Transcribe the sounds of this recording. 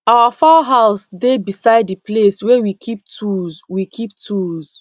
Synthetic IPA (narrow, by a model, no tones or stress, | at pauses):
awafaɦaʊsdebisaɪdipleswɛwikʰip̚tʰuzwikʰip̚tʰuz̥